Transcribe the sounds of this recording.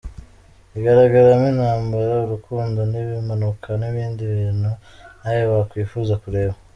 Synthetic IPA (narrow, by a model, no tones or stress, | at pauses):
iɡaɾaɡaɾaminhaːmbaɾauɾukuːndo̞niβimanukʰaniβiːndiβiːnhunajoβakwiːfuːzakuɾe̞ːβa